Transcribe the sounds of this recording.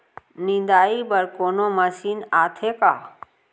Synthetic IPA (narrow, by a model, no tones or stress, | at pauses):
nɪ̃nd̪aːibəɾkoːnoməsiːnaːt̪ʰeka̰ː